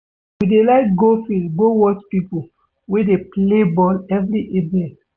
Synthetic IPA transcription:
widelaɪk̚ɡofilɡowɔt͡ʃpipo | wedeplebɔlɛvɾiʔevɛ̃nt

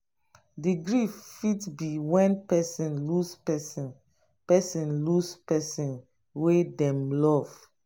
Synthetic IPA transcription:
diɡɹiffitbiwɛ̃npɛsĩnluspɛsĩn | pɛsĩnluspɛsĩn | wedɛ̃mlɔv̥

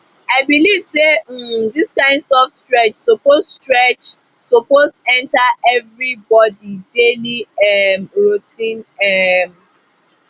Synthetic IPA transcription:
aɪbilivsediskãɪ̃ndsɔfstɹɛt͡ʃsopozstɹɛt͡ʃ | sopozɛ̃ntaɛvɾibɔdideliɛmɹutĩnɛm

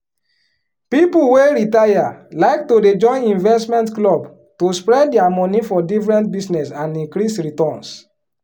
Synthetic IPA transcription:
pipuweɾitajalaɪktoded͡ʒɔ̃ɪ̃nĩnvɛstmɛ̃ntklɔb | tospɹɛddɛamɔ̃nifɔdifɹɛ̃ntbisnɛsãnĩŋkɾisɹitɔ̃ns

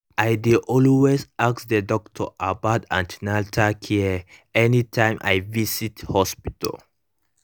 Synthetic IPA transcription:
ʔaɪdiʔɔlwesaksdədɔk̚tʰɔ̰ʔabatãntnaltʰakʰiɛɛnitʰãɪ̃mʔa̰jvisithɔspitə̰l

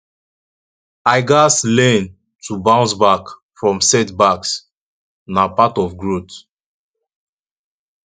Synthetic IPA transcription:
aɪɡaslɛ̃n | tʰubãʊ̃nsbak | fɹɔ̃msɛtbaks | napatɔfɡɹot

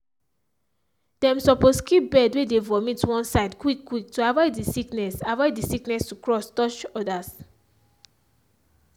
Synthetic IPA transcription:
d̥ɛ̃msɔposkip̚bɛdwedevɔmitwɔ̃nsaɪdkwikːwik̚tuavɔɪddisiknɛsavɔɪddisiknɛstukɹɔstɔt͡ʃɔdas

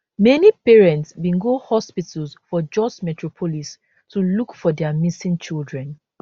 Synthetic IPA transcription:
mɛnipɛɹɛ̃ntsbĩnɡohɔspitəlsfɔd͡ʒɔsmɛtʰɹɔpʰɔlis | tulukfɔdɛamisĩŋt͡ʃildɹɛ̃n

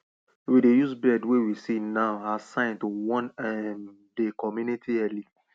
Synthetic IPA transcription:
widejusbɛdwewisinaʊasãɪ̃ntowɔ̃nɛm | dekɔmjunitʰiɛli

